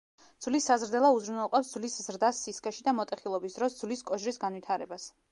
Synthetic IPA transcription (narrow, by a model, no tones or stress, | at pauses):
d̪z̥vlisːazɾd̪ɛlˠauzɾunɛlˠqʼɔpsd̪z̥vliszɾd̪asːiskʼɛʃid̪amɔt̪ʼɛχilˠɔbisd̪ɾɔsd̪zvliskʼɔʒɾisɡanvit̪ʰaɾɛbas